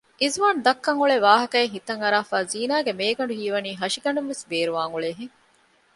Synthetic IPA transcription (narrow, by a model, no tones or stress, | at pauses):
ʔizʋaːnd̪ɐkːɐŋuɭeʋaːɦɐkɐeɦit̪ɐŋɐɾaːfaːziːnaːɡemeːɡɐɳɖuɦiːʋɐniːɦɐʃiɡɐɳɖumʋesbeːɾuʋaːŋuɭeːɦeŋ